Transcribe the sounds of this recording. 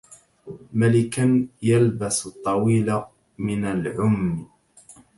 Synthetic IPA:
malɪkanjalbast̪ˤːɑwiːla | mɪnalʕʊmː

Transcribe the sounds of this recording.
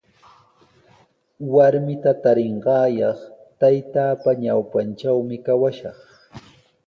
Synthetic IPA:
waɾmɪt̪at̪aɾɪɴɢɑːjɑχt̪ajt̪aːpaɲawpant͡ʃawmɪkawaʃɑχ

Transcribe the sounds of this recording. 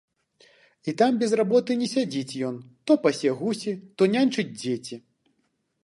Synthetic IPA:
it̪ambʲɛzrabɔt̪ɨnʲɛsʲad͡zʲit͡sʲjɔnt̪ɔpɐsʲɛɣusʲit̪ɔnʲanʲt͡ʂɨt͡sʲd͡zʲet͡sʲi

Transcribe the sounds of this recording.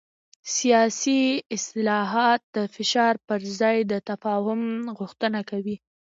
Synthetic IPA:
sijɑsiɪst̪ɪlɑɦɑt̪̚d̪əfɪʃɑɾpəɾzɑjd̪ət̪afɑhʊmɣʊxt̪ənakawi

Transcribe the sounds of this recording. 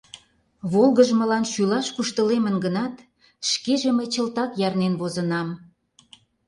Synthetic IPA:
βolˠɣəʒmə̆lɑnʃylɑʃkuʃt̪əlemənɡənɑt̪ | ʃkeʒemejt͡ɕə̆lt̪ɑkjɑrnenβozənɑm

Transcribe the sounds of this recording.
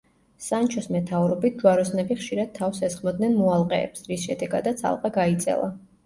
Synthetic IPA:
sant͡ʃʰɔsmɛt̪ʰavɾɔbit̪̚ʰd͡ʒuaɾɔsnɛbiχʃiɾad̪̥̚t̪ʰːafsɛsχmɔd̪nɛnmɔalˠqʼɛ̰ːpsɾisʃɛd̪ɛɡad̪at̪sʰa̰lˠqʼaɡait̪sʼɛ̰lˠa̰

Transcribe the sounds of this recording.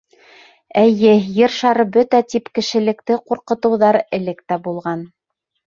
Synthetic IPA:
æjɘjɘɾʃɑɾɤbɵt̪æt̪ipkɘ̆ʃɘ̆lɘ̆k̚t̪ɘquɾqɤ̆t̪ɤ̆wðɑɾɘ̆lɘkt̪æbulˠʁɑn

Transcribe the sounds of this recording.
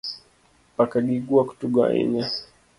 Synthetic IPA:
pakaɡiɡuaku̥tuɡa̰ḭɲa

